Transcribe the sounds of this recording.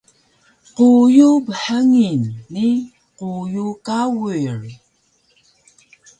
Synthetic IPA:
qujubəħaŋinːi | qujukawuɹi

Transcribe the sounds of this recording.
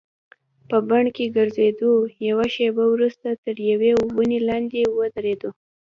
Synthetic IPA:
pəbaɳkeɡəɾzed̪ojawaʃebawɾust̪at̪əɾjawebunelɑnd̪ewəd̪əɾed̪o

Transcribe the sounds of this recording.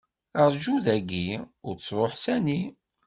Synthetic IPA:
əʁˤʒuðæɡːiʊɾt͡sːɾˤoħsæni

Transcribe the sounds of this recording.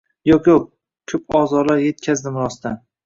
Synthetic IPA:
jokʲo | kʲʰɵpʰɒzɒɾlaɾje̞t̪kʲʰazd̪ɪmʊɾɒst̪ʰan

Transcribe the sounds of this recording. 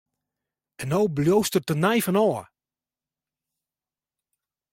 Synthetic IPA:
ɛnːoːbljoːstərtənajfənɔː

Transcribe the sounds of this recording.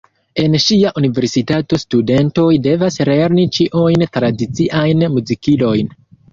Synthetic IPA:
e̞nʃiaʔunive̞ɾsitato̞stude̞nto̞jde̞vasle̞ɾnit͡ʃiʔujntɾadit͡siʔajnmuzikilo̞jn

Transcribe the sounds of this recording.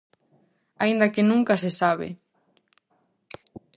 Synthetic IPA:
aind̪akɪnũŋkasesaβ̞ɪ̰

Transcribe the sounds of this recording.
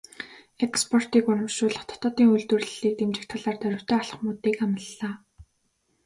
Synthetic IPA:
ekspʰɔr̥t̪iːkʊɾə̆mʃʊːɮə̆χt̪ʰɔ̥t̪ɔːt̪iːŋujɮt̪ŭrɮɮiːk̚t̪emt͡ɕɪ̆k̚t̪ʰaɮaːrt̪œɾʲɪ̆kt̪ʰœːaɮə̆χmʊːt̪iːkamə̆ɮːaː

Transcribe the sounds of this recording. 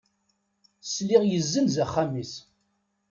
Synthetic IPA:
sliʁjəzːənzæχːamis

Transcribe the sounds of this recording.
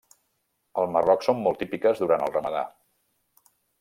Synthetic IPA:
əlˠmərɔksomːɔlˠt̪ipikəzðuɾant̪əlˠrəməða̰

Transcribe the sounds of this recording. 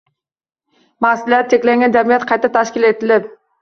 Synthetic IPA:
masɪlijaɾ̚t͡ʃʰe̞kʲlaŋɡʲand͡ʒamijat̪qʰɑjt̪at̪ʰaʃkʲɪle̞t̪ɪlɪp̚

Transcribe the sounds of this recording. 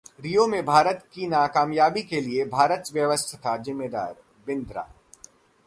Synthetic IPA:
ɾijomẽbʱaːɾət̪kinaːkaːmjaːbikeliebʱaːɾət̪ʋjəʋəst̪ʰt̪ʰazɪmːeːd̪a̰ːɾ | bɪ̃nd̪ɾa̰ː

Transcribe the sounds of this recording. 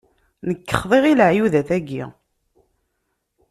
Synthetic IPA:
nəkːə̥χðˤeʁiləʕjuðæθæɡḭ

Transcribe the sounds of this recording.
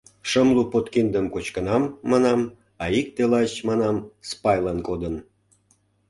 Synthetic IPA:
ʃəmlupot̪kind̪əmkot͡ɕkənɑmːɑnɑm | ɑik̚t̪elɑt͡ɕmɑnɑmspɑjlɑnkod̪ən

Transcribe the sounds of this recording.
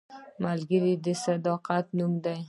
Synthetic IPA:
malɡʲɪlid̪ɪsad̪ɒqʰat̪nʊmd̪aj

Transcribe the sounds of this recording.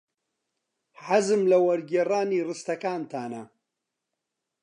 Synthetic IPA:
ħazɨmlɐwɐɾɡeraːniːrɨst̪ɐkaːnt̪ʰaːnɐ

